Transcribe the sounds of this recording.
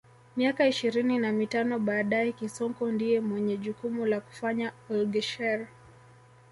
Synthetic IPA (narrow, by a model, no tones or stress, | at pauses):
miakaiʃiɾininamitanɔɓaːɗajɛkisɔŋkɔndiɛmwɛɲɛʄukumulaku̥faɲaɔlɡɛʃɛɾ